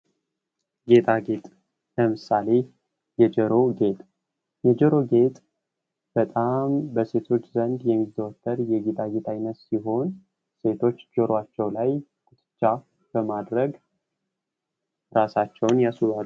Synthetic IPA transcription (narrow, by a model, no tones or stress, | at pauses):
ɡe̞t̪ʰʼaɡe̞t̪ʼ | ləmɨsale̞ | jɛd͡ʒəɾo̞ɡe̞t̪ʼ | jɛd͡ʒəɾo̞ɡe̞t̪ʼ | b̥ət̪ʼambəse̞t̪ʰo̞t͡ʃːzənd̪jɛmizd̪əwɔt̪ʰːəɾjɛɡet̪ʰaɡe̞t̪ʰajɪnːət̪siɦo̞n | se̞t̪ʰo̞t͡ʃːd͡ʒəɾwat͡ʃːɛwlajkʼɨt̪ʰʼɨ̥t͡ʃːa | b̥əmad̪ɾəɡ | ɾasat͡ʃːɛwnjasuβaɾ